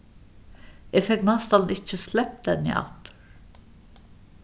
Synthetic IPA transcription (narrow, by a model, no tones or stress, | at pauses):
jɛfɛknɑst̪ɑlnʔɪc͡çəslɛp̚d̪ɛnḭʔɑ̰t̪ʰə̥ɾ